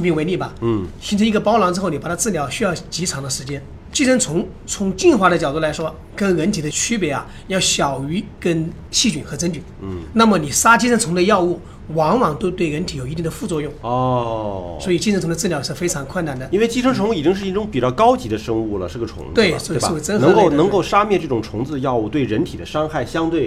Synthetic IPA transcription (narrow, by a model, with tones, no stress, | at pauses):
pi˥ŋwe˧˥i˥˩bɐ˩˥˩ɕi˧˥n̩ʰ˧˥i˧˥ɡə˧pɑ˥ʊlɑ˧˥ŋʈ͡ʂɻ̩˥xo˥˩ʊni˨pa˨˩t̪ʰa˥t͡sɹ̩˥˩ljɑ˧˥ʊɕy˥jɑ˥˩ʊt͡ɕi˧˥ʈ͡ʂʰɑ˧˥ŋd̪ə˧ʂɻ̩˧˥t͡ɕjɛ˥n | t͡ɕi˥ʂə˧˥nt͡sʰʊ˧˥ŋ | t͡sʰʊ˧˥ŋt͡ɕi˥˩nxwa˧˥ɾə˧t͡ɕjɑ˨ʊt̪u˥˩la˧˥ɪʂwɔ˥ | kə˥nɻə˧˥nt̪ʰi˨˩d̪ə˦t͡ɕʰy˥pjɛ˧˥a̰˨ | jɑ˥˩ʊɕjɑ˨˩ʊy˧˥kə˥n | ɕi˥˩t͡ɕy˨˩nxɤ˧˥t͡sə˥nt͡ɕy˨˩n˩na˥˩mə˩ni˨˩ʂa˥t͡ɕi˥ʈ͡ʂʰə˥ŋt͡sʰʊ˧˥ŋd̪ə˧jɑ˥˧ʊu˥˩ | wɑ˧˥ŋwɑ˨˩ŋt̪o˥ʊt̪we˥˩ɪɻə˧˥nt̪ʰi˨˥jo˨˩i˧˥t̪i˥˩d̪ə˩fu˥˧t͡swɔ˥˧jʊ˥˩ŋɔ˥ | swɔ˧˥i˨˩t͡ɕi˥˧˥nt͡sʰʊ˧ŋd̪ə˧t͡sɹ̩˥˩ljɑ˨˩ʊʂɻ̩˥˩˧fe˥ɪʈ͡ʂʰɑ˧˥ŋkʰwə˥˩na˨˩nd̪ə˨˦i˥n˥we˥˩ɪt͡ɕi˥ʈ͡ʂʰə˥ŋʈ͡ʂʰʊ˧˥ŋu˥˩i˨˩t͡ɕi˥ŋʂɻ̩˥˩ɕi˥nʈ͡ʂʊ˥ŋpi˨˩t͡ɕjɑ˥˩ʊkɑ˥ʊt͡ɕi˧˥d̪ə˧ʂɤ˥ŋu˥˩lə̰˩ʈ͡ʂɻ̩˥˩ɡə˩ʈ͡ʂʰʊ̰˧˥ŋt̪we˥˩ɪst͡sə˥nɤ˧˥ŋ˧ko˥˩ʊnɤ˧˥ŋ˥ko˥˩ʊʂa˥mjɛ˥˧nʈ͡ʂɤ˥˩ʈ͡ʂʊ˨˩ŋʈ͡ʂʰʊ˧˥ŋt͡sɹ̩˥˧jɑ˥˧ʊu˥˩t̪we˥˩ɪɻə˧˥nt̪ʰi˨˩d̪ə˦ʂɑ˥ŋxa˥˩ɪɕjɑ˥ŋt̪we˥˩ɪ